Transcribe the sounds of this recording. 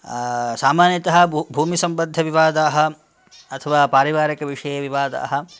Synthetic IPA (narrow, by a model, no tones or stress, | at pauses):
saːmaːnjɐt̪ɐɦɐbʱuːmisɐmbɐd̪ʱːɐʋiʋaːd̪aːɦɐ | ɐt̪ʰɐʋaːpaːɾiʋaːɾikɐʋiʂɐjɐʋiʋaːd̪a̰ːɦɐ̆